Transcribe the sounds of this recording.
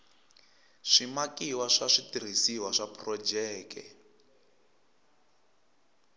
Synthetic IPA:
ʂimakiwaʂaʂitiɾ̤isiwaʂapʰrɔd͡ʒɛːkɛ̰

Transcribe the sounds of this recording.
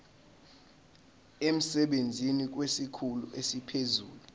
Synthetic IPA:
em̩sɛɓend͡zʱinik̬wesikʰulṵʔesipʰezuːlu

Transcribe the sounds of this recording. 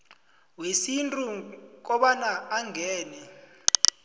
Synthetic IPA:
wesintʼuk̬ɔɓanaaŋʱɛːnɛ

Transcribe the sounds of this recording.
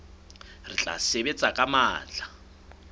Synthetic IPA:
rit͡ɬʼa̰sebet͡sʼakʼamaːt͡ɬa

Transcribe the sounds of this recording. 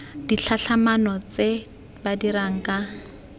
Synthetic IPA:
diɬʰaɬʰamanɔt͡se | badiɾaŋ̩ka

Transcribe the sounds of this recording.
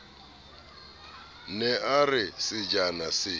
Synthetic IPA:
nɛʔarɪsɪd͡ʒanasɪ

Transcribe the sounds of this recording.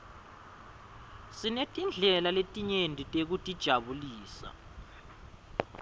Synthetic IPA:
sinetʼind͡ɮʱɛlaletʼiɲendʱitʼek̬utʼid̥ʒ̥ʱaβuliːsa̰

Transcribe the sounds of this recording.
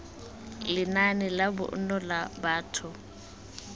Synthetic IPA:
lɪnanɪlabʊ̰ʔ̩nɔlabaːtʰʊ

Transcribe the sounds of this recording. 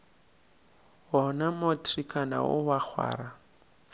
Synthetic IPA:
ɦɔnamotʰʼrikʰʼana̰ʊwak͡xʰwa̰ːɾa

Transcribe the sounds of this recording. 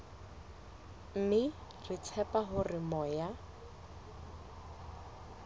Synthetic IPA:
m̩mɪ | rɪt͡sʰɛpaɦʊrɪmɔːja

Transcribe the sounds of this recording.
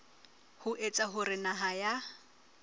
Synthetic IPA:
hʊʔet͡sʼaɦʊrɪnaɦaja

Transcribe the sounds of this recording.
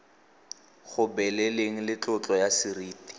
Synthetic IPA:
χʊbɛlɛleŋ̩lɪt͡ɬʼʊt͡ɬʼɔjasiriːti̥

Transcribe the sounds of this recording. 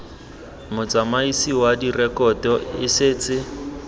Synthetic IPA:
mʊt͡sʼamaisiwadirɛkɔtɔɪsɪːt͡sʼɪ

